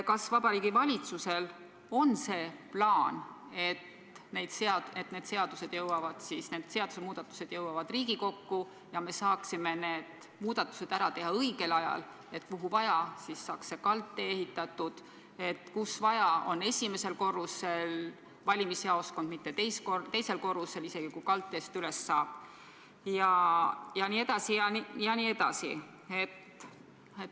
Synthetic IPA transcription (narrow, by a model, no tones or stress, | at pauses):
kɑsvɑbɑɾiːɡ̥ivɑlʲit̪suse̞l | o̞nse̞ːplɑːn | e̞t̪ | ne̞jd̪̥seɑe̞t̪ne̞ːd̪̥se̞ɑd̪̥use̞d̪jɤwɑvɑd̪̥sisne̞ːd̪̥se̞ɑd̪̥usemuːd̪̥ɑt̪ːˑu̥se̞d̪̥jɤwɑvɑd̪riːɡ̥iko̞kːu | jɑme̞sɑːksime̞ne̞ːd̪̥ | muːd̪ɑt̪ːˑu̥se̞d̪̥æɾɑt̪e̞ɦɑɤjɡ̥e̞lɑjɑ̰l | e̞t̪kuɦuvɑjɑsisːɑːksːe̞kɑlt̪ːˑe̞ehit̪ːˑɑt̪ːud̪̥ | e̞t̪kusvɑjɑo̞nːe̞sʲime̞se̞lko̞rːuse̞l | vɑlʲimisheɑosko̞nd̪̥mit̪ːe̞t̪e̞jskot̪e̞jse̞lko̞rːuse̞lise̞ɡ̥ikujkɑlt̪ːˑest̪yle̞sːɑːb̥ | jɑjɑniːed̪̥ɑsijɑnijɑniːe̞d̪̥ɑ̰si | e̞t̪ | et̪